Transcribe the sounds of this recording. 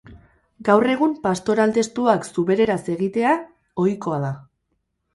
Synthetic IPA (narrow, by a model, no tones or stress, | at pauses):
ɡawre̞ɣ̞umpast̪o̞ɾald̪e̞st̪uaksuβe̞ɾe̞ɾase̞ɣit̪e̞a | o̞jko̞að̞a